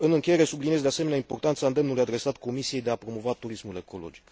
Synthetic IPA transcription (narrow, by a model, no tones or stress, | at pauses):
ɨnɨŋkʲeje̞ɾe̞sublinij̬d̪easemeneaimpo̞rt̪ant̪saɨnd̪e̞mnulujad̪ɾe̞sat̪kʰo̞misije̞jd̪e̞apɾo̞mo̞vat̪uɾismule̞ko̞lo̞̰d͡ʒik